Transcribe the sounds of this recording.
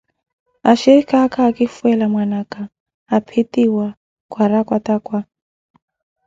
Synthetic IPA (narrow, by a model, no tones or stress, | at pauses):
aʃɛɾikaːkaːkifuɛlamwanakaː | pʰitiwa | kwaɾakwatakwa